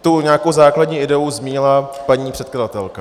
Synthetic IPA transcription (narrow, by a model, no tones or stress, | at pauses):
t̪uɲaːko̞wzaːkladɲiːʔɪdɛuzmiːɲɪlapaɲiːpr̥ɛt̪̚kladat̪ɛlka